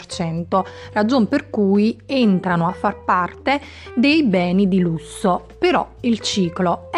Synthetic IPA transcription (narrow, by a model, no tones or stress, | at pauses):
rt͡ʃɛnt̪orad͡ʒomperkuːjent̪ɾanoafːarpart̪e | d̪ejbɛːnid̪ilusːopeɾɔ̰ilt͡ʃiːklo